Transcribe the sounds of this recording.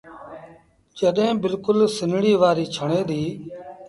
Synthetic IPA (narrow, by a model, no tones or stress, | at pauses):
d͡ʒəɗẽːbɪlkʊlsɪnɽiːʋaːɾiːt͡ʃʰəɳ̃eːd̪iː